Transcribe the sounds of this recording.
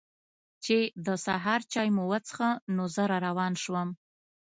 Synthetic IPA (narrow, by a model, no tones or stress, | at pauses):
t͡ʃed̪əsaɦɑɾt͡ʃɑjmowət͡sə̥xanozəɾaɾawɑnʃwəm